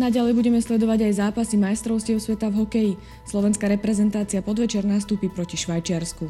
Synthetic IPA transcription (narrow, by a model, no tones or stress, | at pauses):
naɟalɛjbuɟɛmɛslɛd̪ɔʋaɟajzaːpasimajst̪ɾɔʊscɪɛʊsʋɛt̪avɦɔkɛji | slɔʋɛnskaɾɛpɾɛzɛnt̪aːt͡siapɔd̪ʋɛt͡ʃɛɾnast̪upipɾɔciʃʋajt͡ʃɪaɾsku